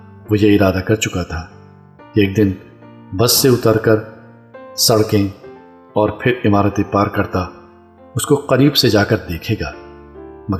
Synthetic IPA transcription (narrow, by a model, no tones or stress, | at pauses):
ʋoːjeɪɾaːd̪akɐɾt͡ʃʊkat̪ʰaː | eːk̚d̪ɪn | bɐsːeʊt̪əɾkəɾ | sɐɽkẽ | ɔːɾpʰɪɾɪmaːɾət̪epaːɾkɐɾt̪a | ʊskoqɐɾiːbsed͡ʒaːkəɾd̪eːkʰeːɡaː | mɐ